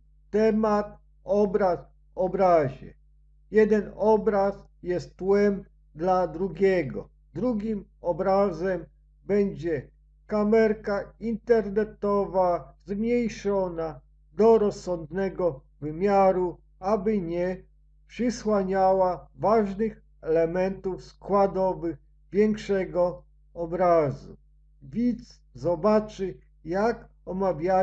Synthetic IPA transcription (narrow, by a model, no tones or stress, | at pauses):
t̪ɛmat̪̚ | ɔbɾas | ɔbɾaʑɛ̰ | jɛd̪ɛnɔbɾas | jɛst̪tːwɛm | d̪lad̪ɾuɡʲɛɡɔ̰ | d̪ɾuɡʲim | ɔbɾazɛm | bɛɲd͡ʑɛ | kamɛɾkaint̪ɛɾnɛt̪ɔvazmɲejʂɔna | d̪ɔɾɔsːɔnd̪nɛɡɔ | vɘmʲjaɾu | abɘɲɛ | pʂɘswaɲawavaʐnɘx | ɛlɛmɛnt̪ufskwad̪ɔvɘx | vʲjɛŋkʂɛɡɔ | ɔbɾazṵ | vʲit̪s | zɔbat͡ʂɘ | jak | ɔmavʲja